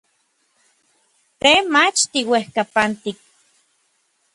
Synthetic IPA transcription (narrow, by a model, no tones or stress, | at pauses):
t̪emat͡ʃt̪iwehkapant̪ik̚